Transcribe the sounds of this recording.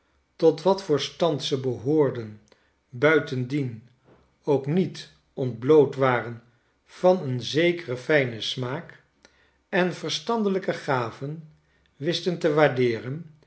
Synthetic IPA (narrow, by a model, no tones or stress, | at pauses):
tɔtʋɑtfəːɹstɑntsəbəɦʊːɹdən | bœɥtəndin | owknit | ɔnd̚blowtʋaːrən | v̥ɑnənzejkərəfɛjnəsmaːk | ɛnvəɹstɑndələkəχaːvən | ʋɪstəntəʋaːɹdɪːrən